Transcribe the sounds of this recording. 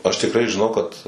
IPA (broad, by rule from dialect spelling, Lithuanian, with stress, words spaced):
ɐʃ tʲɪkˈrɐɪ ʒʲɪˈnɐʊ kɐt